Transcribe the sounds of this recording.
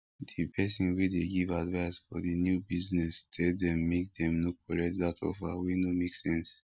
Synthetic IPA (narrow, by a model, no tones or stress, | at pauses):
dipʰɛsɔ̃nwideɡivadvaɪsfɔdinjubiznɛstʰɛdɛ̃mːek̚dɛ̃mnokʰɔɹɛtdatʰɔ̰fawinomeksɛ̃ns